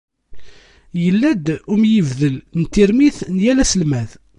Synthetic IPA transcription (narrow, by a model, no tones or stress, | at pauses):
jəlːæd̪umjəvðəlnt̪ːiɾmiθnjælæsəlmæð